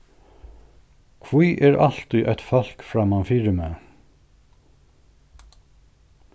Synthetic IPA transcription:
kʰvujʔɛɾʔa̰l̥t̪ʏʔɛt̪fɔl̥kfɾamanfiːɾɪmɛ

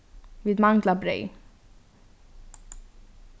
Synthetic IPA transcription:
ʋiːd̪mɑŋɡlabɾœ̰ʏ

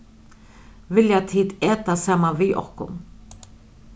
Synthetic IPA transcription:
vɪljat̪ʰiːt̪ɛːt̪asamːaviʔɔ̰kʊ̰m

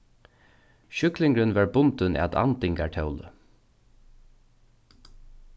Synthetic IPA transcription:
ʃʏklɪŋkɾənvaːɹbʊnt̪ənʔɛ̰t̪a̰nt̪ɪŋkaʈʰœʊlə̰

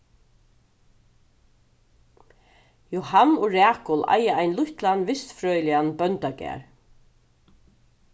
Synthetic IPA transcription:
jɔhanʊɾæːkʊla̰jaajnlʊht̪lanʋɪst̪fɾœːjlɪanbœnt̪aɡɛ̰ːɹ

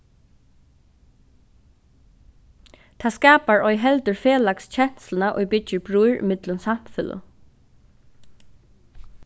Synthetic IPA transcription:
t̪ʰaːskaːpaɹɔjɦɛlt̪əɹfeːlakst͡ɕʰɛn̥slənaʔo̰jbɪt͡ʃɪɹbɹujɹɪ̰mɪt̪lʊnsam̥fʏlə̰

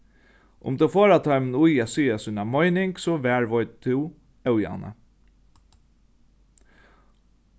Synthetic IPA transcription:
ʊ̰mt̪ʰɛwfoːɾat̪ʰɔʏmənujæːsiːasʊjnamɔjnɪŋksɔʋæːɹʋɔʏt̪̚t̪ʰɪw | ɛwja̰na̰

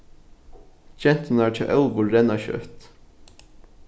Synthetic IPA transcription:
d͡ʒɛnt̪n̩æːʈʰɪʔɛlbʊlɾɛnɑçø̰t̪

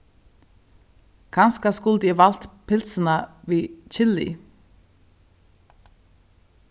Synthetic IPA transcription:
kʰɑnskɑskʊld̪iːʋɑlt̪pʰɪlsən̩ɑʋiːc͡çɪlḭː

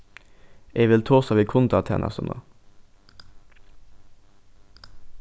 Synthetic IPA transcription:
ʔeːʋɪlt̪ʰoːsɑʋiːkʰʊnt̪ʰɑt̪ʰɛ̰nʔɑ̰sɔ̰nʔo̰

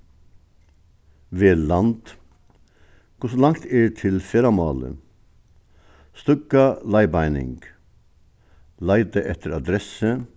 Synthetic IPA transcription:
ʋeːlɑnd̪̥ | kʰʊʂɔlɑŋt̪ʰeːt̪ʰɪlfeːɾɑmɑːlə̰ | st̪ʏɡɑlɑɪbɑɪnɪ̰ŋɡ̥ | lɑɪd̪əʔɛt̪ʰəɾɑd̪ɾɛsə

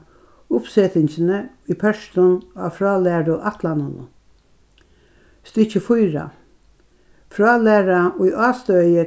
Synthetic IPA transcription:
ʊpsɛːt̪ɪɲt͡ɕɪnə | ijpʰœʃt̪ʊnɑ̰ːfɾɑːlæːɾʊʔat̪ʰlanʊnʊ̰ | st̪ɪt͡ʃəfʊjɾa̰ | fɾɑːlæːɾaʊjʔɑːst̪œjə

